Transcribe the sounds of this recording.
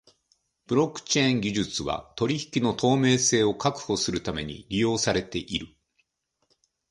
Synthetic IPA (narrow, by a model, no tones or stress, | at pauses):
b̥ɯ̟ɾo̞kːɯ̟̥t͡ɕẽŋɡʲiʑɨt͡sɨβa̰t̪o̞ɾʲiçi̥kʲino̞t̪ʰo̞ːme̞ːse̞ːo̞kakɯ̟̥ho̞sɨɾɯ̟t̪ame̞ɲ̟ḭɾʲijo̞ːsaɾe̞t̪e̞ʔiɾɯ̟